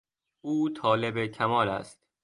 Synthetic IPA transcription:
uːt̪ʰɒːle̞be̞kʰæmɒːlæ̰st̪̚

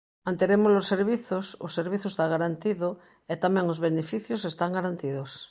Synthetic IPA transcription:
mãnt̪eɾemozlosːeɾβiθosʊseɾβ̞iθoest̪aɣaɾant̪iðʊ | et̪amɛ̃ŋozβenefiθjosest̪aŋɡaɾant̪iðos

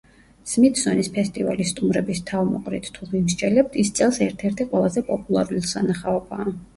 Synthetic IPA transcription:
smit̪ʰzɔnispʰɛst̪ʼiva̰list̪ʼumɾɛbist̪ʰavmɔ̰qʼɾit̪ʰt̪ʰuvimʃt͡ʃʰʼɛlɛp̚t̪ʰist̪sʼɛlˠsɛɾt̪ʰɛɾt̪ʰiqʼwɛlˠazɛpʼɔpʼulˠaɾulisanaχaɔbaː

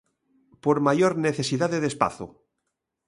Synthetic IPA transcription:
poɾmaʝoɾneθe̞siðaðeðespa̰θṵ

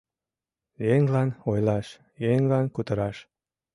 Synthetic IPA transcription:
jeŋlɑnojlɑʃ | jeŋlɑnkut̪əɾɑʃ

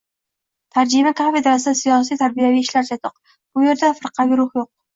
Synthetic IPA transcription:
t̪ʰaɾd͡ʒimakʰafed̪ɾasɪd̪sijɑs̬ijt̪ʰaɾbijaviɪʃlaɾt͡ʃʰɛt̪ʰɨq | b̥ʊjeɾd̪ɛfɨɾqʰɑviɾʊχjoq̚

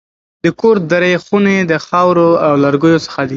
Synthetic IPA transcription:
d̪əkoɾd̪aɾəjxuned̪əxɑwɾoawlaɾɡujosə̥xad̪i

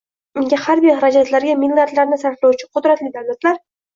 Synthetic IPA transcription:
ʊŋɡʲahaɾbijhaɾad͡ʒat̪laɾɡʲamilːaɾd̪laɾnɪsaɾflawt͡ʃʰɪqʰʊd̪ɾat̪lɪd̪awlat̪laɾ

